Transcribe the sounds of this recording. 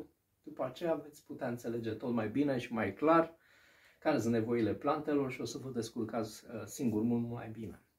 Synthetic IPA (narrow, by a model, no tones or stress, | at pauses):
d̪̥upəat͡ʃe̞jave̞t̪sʲput̪eaɨnt̪se̞le̞d͡ʒe̞t̪o̞t̪majbine̞ʃimajklar | kaɾesɨnt̪ne̞vo̞ile̞plant̪e̞lo̞rʃio̞səvot̪d̪e̞skurkasiŋɡurmululma̰jbine̞